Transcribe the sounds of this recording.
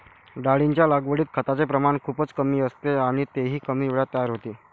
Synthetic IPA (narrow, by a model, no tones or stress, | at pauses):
ɖaɭiɲt͡ɕjalaɡʋəɽiːt̪̚kʰət̪at͡sepɾəmaɳkʰuːpət͡skəmiːəst̪eaɽ̃it̪eɦiːkəmiːʋeɭat̪ːəjaɾɦot̪iː